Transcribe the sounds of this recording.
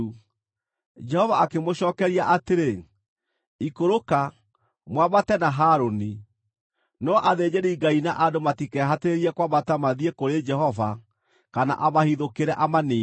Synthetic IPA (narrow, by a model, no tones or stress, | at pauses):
u | d͡ʒɛhɔvaːkemoɕɔːkɛɾiaʔateɾe | ikoɾoka | mwaβatɛnaɦaːɾoni | nɔʔaðeɲeɾiiɡainaʔadomatikɛɦateɾeɾiɛkwamatamaðiekoɾed͡ʒɛhɔva | kana̰ʔamahiðokeɾɛʔamaneː